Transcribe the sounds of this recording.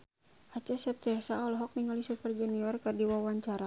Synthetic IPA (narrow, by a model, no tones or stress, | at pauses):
ʔat͡ʃɛsɛp̚t̪ɛsaɔlɔɦɔk̚niŋalisupɛrd͡ʒuniɔrkɨrdiwawaɲt͡ʃaɾa